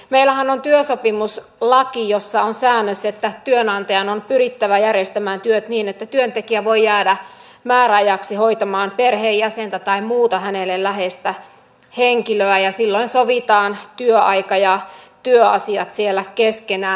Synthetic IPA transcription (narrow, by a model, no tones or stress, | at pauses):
meilæhænont̪yøsopimus | lɑkijosːɑonsæːnːøset̪ːæt̪yønɑnt̪ɑjɑnonpyrit̪ːæʋæjærjest̪æmæːnt̪yøt̪niːnet̪ːæt̪yønt̪ekiæʋoijæːdæ | mæːræɑjɑksihoit̪ɑmɑːnperheːjjæsent̪æt̪ɑimmuːt̪ɑhænelellæhest̪æ | heŋkiløæjɑsilːoinsoʋit̪ɑːnt̪yøʔɑikɑjɑt̪yøɑsiɑt̪sielːækeskenæː